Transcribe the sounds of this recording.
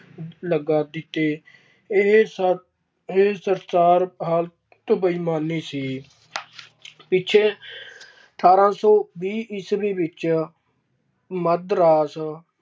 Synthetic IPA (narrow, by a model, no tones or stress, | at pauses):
ləɡaːd̪ɪt̪ːeː | ɦ | esəɾsaːɾɦaːl | t̪obəiːmaːniːsiː | pɪt͡ʃʰeː | əʈ̪ʰaːɾãːsoːbiːʔɪsbiːbɪt͡ʃ | məd̪ɾaːs